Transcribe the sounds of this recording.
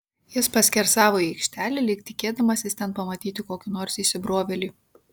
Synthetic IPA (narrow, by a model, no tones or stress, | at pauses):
jɪspɐsʲkʲɛɾsɑːʋoːiɛɪkʃʲt̪ʲæːlʲɛlʲɪkt̪ʲɪkʲeːd̪ɐmɐsʲɪst̪ʲɛnpɐmɐt̪ʲiːt̪ʲɪkoːkʲʊnoːɾsiːʃʲsʲɪbɾoɔʋʲɛlʲiː